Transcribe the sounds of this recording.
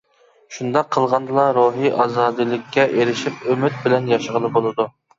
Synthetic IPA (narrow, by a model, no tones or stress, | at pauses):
ʃund̪ɑqʰːəlˠʁɑnd̪ɨlˠɑɾoɦiʔɑzɑːd̪ɨlˠɪkʲʰːɛʔeɾɪʃipømyt̪̚bɪlɛnjɑʃəʁəlˠɨbolˠɨd̪u